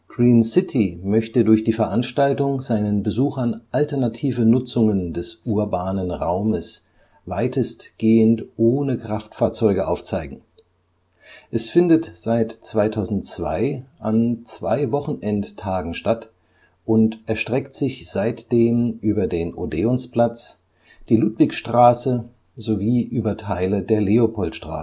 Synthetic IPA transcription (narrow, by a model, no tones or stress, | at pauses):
ɡ̥ʁiːnsɪtʰimœçtədʊɐçd̥iːfɛɐʔanʃtaltʊŋzaɪnənbəzuːxanʔaltɛɐnatʰiːvənʊt͡sʊŋəndɛsʔuːɐbaːnənʁaʊməs | vaɪtəstɡ̥eːəntʔoːnəkʁ̥aftfaːɐt͡sɔʏɡəʔaʊft͡saɪɡŋ̩ | ʔɛsfɪndətz̥aɪtt͡sv̥aɪtʰaʊzn̩tt͡sv̥a̰ɪʔant͡sv̥a̰ɪvɔχn̩ʔɛnttʰːaːɡŋ̩ʃtat | ʔʊntʔɛɐʃtʁ̥ɛktz̥ɪçz̥aɪtd̥eːmʔyːbɐdeːnʔodeːʊnspl̥at͡s | d̥iːluːtv̥ɪkʃtʁ̥aːsə | zoviːʔyːbɐtʰaɪlədeːɐleopʰɔltʃtʁ̥a̰ː